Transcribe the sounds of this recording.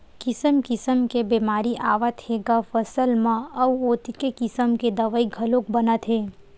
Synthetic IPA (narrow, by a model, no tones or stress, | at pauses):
kɪsəmkɪsəmkebeːmaːɾiʔaːʋət̪heːɡafɐsəlmãɐwoːt̪ikekɪsəmked̪ɐʋaiɡʱɐlõkbɐnət̪ɦeː